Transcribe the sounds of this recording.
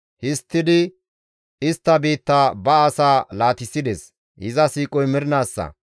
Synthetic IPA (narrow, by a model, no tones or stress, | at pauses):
hɪst̪ːɪd̪ɪ | ɪst̪ːɐbiːt̪ːaːbɐːsaːlaːt̪ɪsːɪd̪ɛs | hɪzɐsiːkʼɔjmɪɾɪnaːsːɐ̰